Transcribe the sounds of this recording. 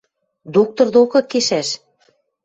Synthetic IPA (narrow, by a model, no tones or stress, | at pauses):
d̪ok̚t̪ŏrd̪okɤ̆kːeʃæʃ